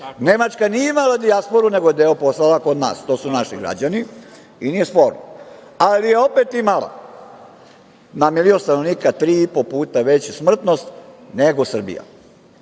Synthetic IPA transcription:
ne̞mat͡ʃkanijeimalad̪iaspo̞ɾune̞ɡoed̪eːoposlalakod̪na̰ːst̪osunaʃiɡɾa̰d͡ʑani | inijespo̞ːɾno̰ | alije̞o̞pet̪imalˠa̰ | namiliost̪anoʋniːkat̪ɾiːipopuːt̪aʋe̞t͡ɕsmr̩t̪no̞st̪neɡosr̩bḭja̰

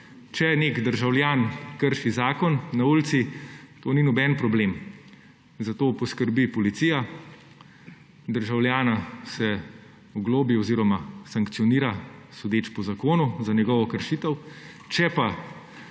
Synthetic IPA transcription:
t͡ʃɛneːkd̪əɾʒawljaːnkəɾʃizaːkɔnːauːlt̪sit̪oːninɔbɛnpɾɔbleːm | zat̪oːpɔskəɾbipɔlit̪sija | d̪əɾʒawljaːnasɛ | ɔɡloːbiɔziːɾɔmasaŋkt̪sijɔniːɾasɔd̪eːt͡ʃpɔzakoːnuzanɛɡɔʋɔkəɾʃit̪əw | t͡ʃɛpa

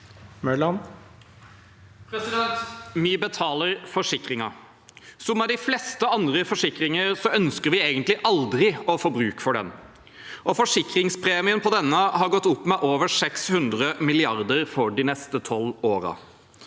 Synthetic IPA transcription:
mœlɑn | pʰɾɛsɪd̪ɛnt̪mɪbət̪ʰɑːləɾfɔʂɪkɾɪŋɑ | sɔmːɛd̪ɪflɛst̪əɑnd̪ɾəfɔʂɪkɾɪŋəɾsɔœnskəɾʋɪeːɡənt̪lɪʔɑld̪ɾɪɔfoːbɾʉːkə̥fɔɖɛ̰n | ʔɔfɔʂɪkɾɪŋspʰɾeːmɪənpʰɔd̪ɛnːəɦɑɾɡɔt̪ːʊpːmɛʔoːʋəsɛkshʉnd̪ɾəmɪlɪɑɾd̪əɾfɔɖɪnɛst̪ət̪ʰɔloːɾə̰

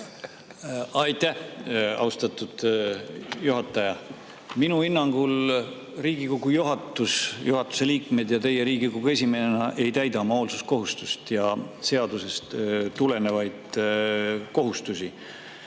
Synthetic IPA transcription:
ɑjt̪æhɑ̰wst̪ɑt̪ːˑud̪̥ | juɦɑt̪ːˑɑjɑ | minuinːɑŋɡ̥ul | riːɡ̥ikoɡ̥ujuɦɑt̪ːˑusjuɦɑt̪ːˑu̥se̞liːkme̞d̪̥jɑt̪e̞jːe̞ɾiːɡikoɡ̥ue̞s̬ʲime̞nenɑʔe̞jt̪æjd̪ɑmɑoːlsusko̞ɦust̪ust̪jɑse̞ɑd̪̥use̞st̪t̪ule̞ne̞vɑjd̪̥ | ko̞ɦust̪usi

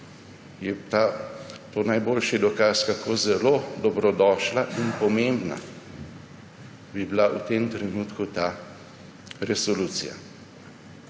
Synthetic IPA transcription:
jɛt̪at̪oːnajboːlʃid̪ɔkaːskakʰoːzɛlod̪ɔbɾɔd̪ɔːʃlaʔinpɔmembna̰ | bibilaʔut̪emt̪ɾɛnuːt̪kut̪a | ɾɛsɔluːt̪sija̰

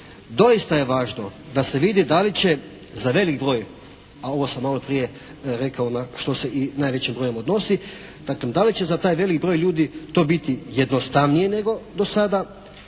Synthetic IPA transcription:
d̪o̞ist̪aje̞ʋaːʒno̞d̪ase̞ʋid̪id̪alit͡ɕe̞ | zaʋe̞likbɾo̞ːj | ao̞ʋo̞samːalˠo̞pɾije | ɾe̞kaonaʃt̪o̞se̞ʔinaːjʋe̞t͡ɕimbɾo̞ːje̞mo̞d̪no̞sid̪̥akled̪alit͡ɕe̞zat̪aːjʋe̞likbɾo̞ːjʎuːd̪it̪o̞ːbit̪ijed̪nost̪aʋnijene̞ɡo̞d̪o̞sad̪a

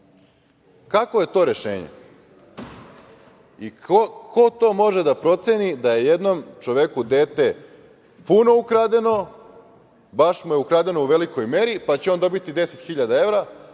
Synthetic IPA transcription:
kako̞je̞t̪o̞ːɾe̞ʃḛːɲḛ | iko̞t̪o̞mo̞ʒed̪apɾo̞t̪sʲjenid̪aje̞je̞d̪no̞mt͡ʃo̞ʋekud̪e̞ːt̪e̞ | puno̞ukɾad̪e̞no̞ | baʃmujeukɾaːd̪enouʋe̞liko̞jme̞ɾipat͡ɕeo̞nd̪o̞bit̪id̪e̞se̞t̪xiʎad̪ae̞ʋɾa

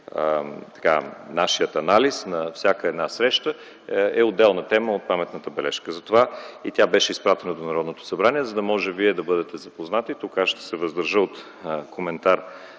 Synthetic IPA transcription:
t̪ɐ̥ka̰naʃijət̪ɐnalisnɐfsʲakəɛd̪nasɾɛʃt̪ə | ɛod̪ːɛlˠnət̪ɛməot̪̚pamɛt̪nət̪əbɛlɛ̰ʃkəzɐt̪ovait̪ʲjabɛʃɛispɾat̪ɛnɐd̪onɐɾɔd̪not̪o̥sɐbɾaniɛzɐd̪ɐmɔʒɛviɛd̪ɐbɤd̪ɛt̪ɛzɐpoznat̪it̪okaʃt̪ɐ̥sɛvəzd̪əɾʒəot̪ | kʰomɛnt̪aɾ

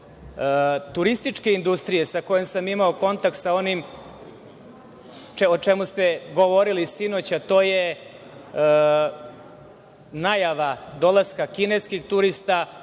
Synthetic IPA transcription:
t̪uɾist̪it͡ʂke̞ind̪ust̪ɾije̞sako̞jemsamimao̞ko̞nt̪ak̚t̪sao̞nim | eot͡ʃemust̪eɡo̞ʋo̞ɾilisinot͡ɕat̪o̞ːje̞ | najaʋad̪o̞laskakine̞skixt̪uɾist̪a

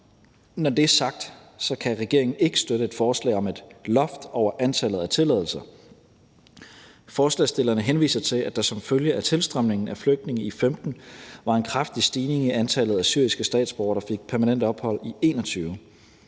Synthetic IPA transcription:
nɒd̥e̝æsɑ̈ɡ̥̚d̥sɒ̽kʰæʁɛɡ̥e̝ɐ̰e̝ŋn̩e̝ɡ̥əsd̥øɾəe̝d̥fɒːslɛ̰ɪɒ̽med̥lɒ̽fd̥ɒʊ̰ɐʔænt͡sʰælð̞̩ˠæt͡sʰe̝lɛðˠl̩sɐ | fɒːslɛ̰ːsd̥e̝l̰ɐnəɦenʋḭːsɐt͡sʰe̝læd̥ɑ̈sɒ̽mføljəʔæt͡sʰe̝lsd̥ʁamne̝ŋn̩æfløɡ̥̚d̥ne̝ŋ̩ifemd̥n̩ʋɑ̈e̝nkʰʁafd̥isd̥iːne̝ŋiænt͡sʰælð̞̩ˠæsyɐ̰isɡ̥əsd̥ɛ̰ːd̥sb̥ɒ̰ːɐɾ̥ɑ̈fe̝ɡ̥̚pʰæɐmænen̰d̥ɒ̽b̥hɒ̽l̰ie̝ːnɒt͡sʰyːʊ

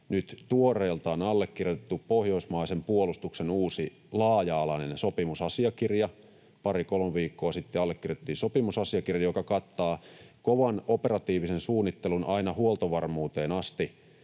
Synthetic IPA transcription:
nyt̪t̪uoreːlt̪ɑonɑlːekːirjot̪et̪ːuppohjo̞ismɑisempuolust̪uksenuːsi | lɑːjɑːlɑnensopimusɑsiɑkirjɑ | pɑrikolmeʋiːkːoːsit̪ːeɑlːekːirjotet̪ːiːnsopimusɑsiɑkirjɑjokɑkɑt̪ːɑːkoʋɑnoperɑt̪iːʋisensuːnːit̪ːelunɑinɑhuolt̪oʋɑrmuːt̪eːnɑst̪i

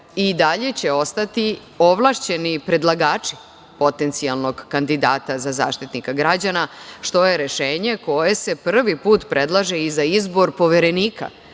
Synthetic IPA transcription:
id̪aʎe̞t͡ɕe̞o̞st̪at̪i | o̞ʋlˠaʃt͡ɕe̞nipɾe̞d̪lˠaɡaːt͡ʂi̥ | po̞t̪e̞nt̪sialˠno̞ɡkand̪id̪aːt̪azaza̰ːʃt̪it̪nikaɡɾad͡ʑanaʃt̪o̞je̞ɾeʃeːɲe̞ko̞je̞se̞pr̩ʋipuːt̪pɾʔe̞d̪lˠaʒeizaizbo̞ɾpo̞ʋeɾe̞niːka̰

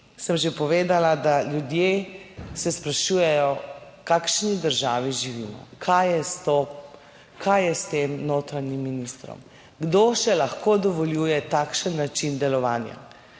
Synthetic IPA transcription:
səmʒepɔʋeːd̪alad̪aljud̪jesɛspɾaʃuːjɛjɔ | kakʃnid̪əɾʒaːʋiʒiʋiːmɔ̰kʰajɛst̪o | kʰajjɛst̪eːmnoːt̪ɾanimːinist̪ɾɔ̰m | ɡd̪oːʃɛlaxkoːd̪ɔʋɔljuːjɛt̪aːkʃənːat͡ʃind̪ɛlɔʋaːnja̰

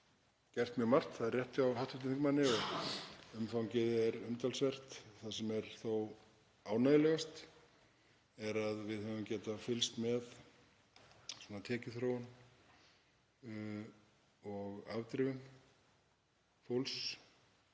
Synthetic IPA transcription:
cɛr̥t̪mjœːmar̥t̪θaðɛrjɛht̪ɪawhawht̪ʏht̪ɪθɪŋkmanːɪɔɣʏmfawɲcɪðɛɾʏmt̪alsvɛr̥t̪θasɛmɛɾ̥θow | aːwnaðɪlɛɣast̪ | ɛɾaðvɪðhœvʏmcɛːt̪afɪlst̪mɛð | swuɔːnat̪ʰɛːcɪθɾown | ɔɣavt̪ɾɪvʏn | fowls

